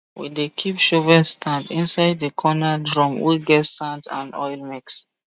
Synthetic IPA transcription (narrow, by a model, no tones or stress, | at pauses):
wḭdekʰipʃovɛstʰãndĩnsaɪd̚dekʰɔnadɹɔ̃mwiɡɛtsãntã̰nɔjlmiks